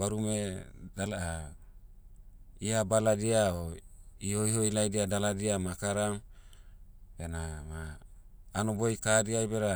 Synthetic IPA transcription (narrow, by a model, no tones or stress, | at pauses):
baɾumedala | iabaladiaɔiojɦoilajdiadaladiamakaɾam | benamaː | nɔbojkadiajbeɾa